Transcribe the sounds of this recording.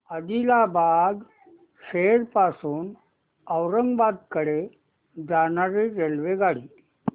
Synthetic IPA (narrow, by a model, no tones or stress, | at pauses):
əd̪ilabaɡ̪ | seɾpasuːn | əwɾəŋɡʋad̪̚kəɽe | d͡zanaɾeɾelʋeɡaɽiː